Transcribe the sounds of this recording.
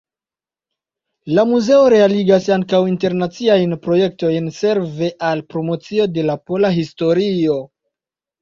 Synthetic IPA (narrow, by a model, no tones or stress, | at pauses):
lamuze̞o̞ɾe̞aliɡasaŋkawinte̞ɾnat͡siajnpɾo̞je̞k̚to̞jnse̞ɾve̞ʔalpɾomo̞t͡sio̞de̞lapo̞laɦisto̞ɾio̞